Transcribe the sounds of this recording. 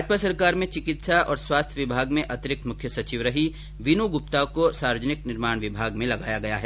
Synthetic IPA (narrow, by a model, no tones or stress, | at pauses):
d͡ʒpasɐɾkaːɾmẽt͡ʃɪkɪt̪saʔɔːɾswaːst̪ʰjəʋɪbʱaːɡmẽʔɐt̪ɪɾɪk̚t̪mʊkʰjəsɐt͡ʃiːʋɾɐɦi | ʋɪnuɡʊp̚t̪akosaːɾʋəd͡ʒnɪknɪɾmaːɽ̃ʋɪbʱaːɡmẽlɐɡaːjaɡɐjaɦɛ